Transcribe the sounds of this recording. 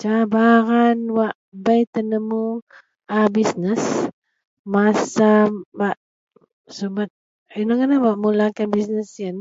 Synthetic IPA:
t͡ʃabaɾanwaʔbajt̪ənəmu | abisnəs | masabaʔ | subat̪̚ | inəŋanawaʔmulakanbisnəsjən

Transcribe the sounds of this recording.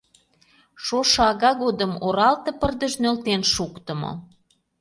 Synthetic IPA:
ʃoʃɑɣɑɣod̪əmoɾɑlt̪ɤ̆pərd̪əʒnølt̪enʃukt̪ə̆mo̰

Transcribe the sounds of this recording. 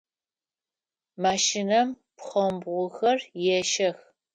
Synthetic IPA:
maːʃinɐm | pχɐmbʁʷʊxɐrjɛʃɐx

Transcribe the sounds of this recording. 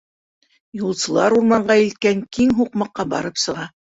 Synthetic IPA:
julˠsɤ̆lˠɑɾuɾmɑɴɢɑilt̪̚kæŋkiŋɦuqmɑqːɑbɑ̰ɾɤpsɤ̆ʁɑ

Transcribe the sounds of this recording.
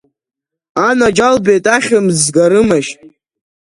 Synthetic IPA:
anad͡ʒalbe̞jtʼaχʲɨmzɡaɾɨmaʃtʼ

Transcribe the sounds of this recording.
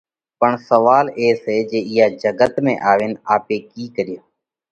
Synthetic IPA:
pəɳsəʋaːleːseːd͡ʒeːɪɦaːd͡ʒəɡət̪mḛ̃ːʔaːʋeːnaːpeːkiːkəɾɪjoː

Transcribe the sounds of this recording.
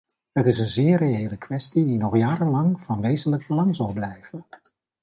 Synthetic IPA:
ɦətɪsənzɪːrejejləkʋɛstidinɔχjaːɾənlɑŋv̥ɑnʋejzənləɡ̚bəlɑŋzɑlˠblɛjv̥ən

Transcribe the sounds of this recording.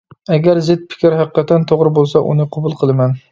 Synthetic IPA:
aɡʲaɾzɪt̪̚pʰɪ̥kʲɪɾhɑqʰːɑt̪ʰant̪ʰoʁɾɪbolˠsaʔʊ̰nɪqʰobʊlˠqʰɨlˠɪman

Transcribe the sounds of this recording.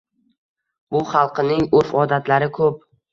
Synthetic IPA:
b̥ʊχɑlˠqʰɨnɪŋɵfɒd̪at̪ʰlaɾɪkʰɵp̚

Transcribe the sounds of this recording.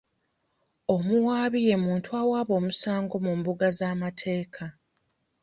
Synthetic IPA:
o̞muwaːβije̞muːntuawaːβo̞ːmusaːŋɡo̞mumbuɡazaːmatʰe̞ːkʰa

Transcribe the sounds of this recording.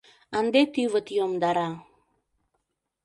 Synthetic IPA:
and̪et̪ivət̪ijomd̪aɾa

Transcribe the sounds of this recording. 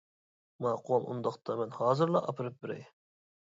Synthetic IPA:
mɑqʰowɑmʔṵnd̪ɑqt̪ʰɑmɛnhɑːzɨɾlˠɑʔɑpʰɨɾɨp̚bɪɾɛ̰j

